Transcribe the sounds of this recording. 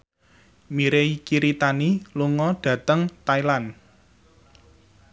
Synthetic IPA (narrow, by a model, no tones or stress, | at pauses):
miɾeikiɾit̪aniluŋɔɖ̥ä̤t̪əŋt̪ailan